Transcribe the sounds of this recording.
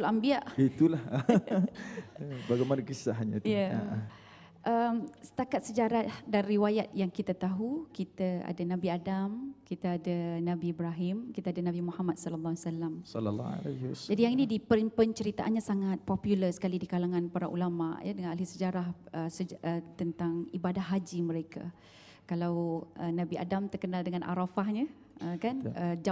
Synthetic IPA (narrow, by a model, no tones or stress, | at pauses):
ulambiaʔit̪ulah | baɡajmanakisaɦɲa̰t̪ja | ʔəmsə̥t̪akat̪̚səd͡ʒaɾahdanriwajat̪̚jaŋkit̪at̪aɦukit̪aa̰danabiadamkit̪aadanãbiːbɾaɦimkit̪aadanãbimuhamat̪̚sɔlalːaasalaml̰ːl̰d͡ʒadijaŋinĩdipəɾimpənt͡ʃəɾit̪aʔanɲasaŋat̪̚pɔpjulərsə̥kalidikalaŋãnpaɾaʔṵlamaʔjadəŋanalɦisəd͡ʒaɾahəsəət̪ənt̪aŋibadaɦɦad͡ʒimə̃ɾeka̰ | kalawʔənabia̰damt̪ərkənaldəŋanʔa̰ɾafahɲa | əkanəd͡ʒa